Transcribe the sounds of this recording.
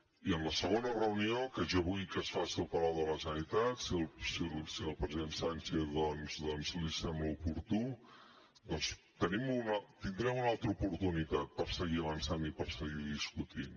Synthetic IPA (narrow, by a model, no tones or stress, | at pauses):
iənləsəɣonərəuniokəʒaβujkəsfasiəlˠpəɾawðələsənit̪at̪siəlˠsilsiəlˠpɾəziðensanseðɔnzðɔnzlisɛmbləupuɾt̪u | d̪ɔns | t̪ənimunt̪ind̪ɾɛmunalˠt̪ɾəupuɾt̪unit̪at̪̚pəɾsəɣiəβənsanipəɾsəɣiðiskut̪in